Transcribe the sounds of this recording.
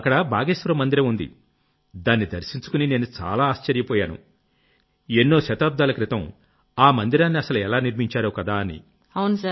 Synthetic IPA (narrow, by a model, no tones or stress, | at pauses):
ɐkːɐɽɐbʱa̰ːɡeːsʋɐɾɐmːɐnd̪iɾɐmund̪ḭ | d̪aːnːid̪ɐɾsiɲt͡ʃu̥kunine̞ːnut͡ʃa̰ːlaːʃt͡ʃɐɾjɐpɔːjaːnṵ | enːo̞ːʃɐt̪aːb̚d̪aːlɐkɾit̪ɐm | aːmɐnd̪iɾaːnːiɐsɐluɛlaːniɾmiɲt͡ʃaːɾoːkɐd̪aːɐnḭ | ɐwnɐsa